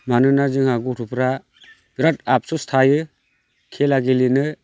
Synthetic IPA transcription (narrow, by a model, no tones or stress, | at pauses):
manɯnazɯŋhaɡuɾʰupɾa | ɡ̥ɾat̚ap̚sustʰajɯ | kʰelaɡilinɯ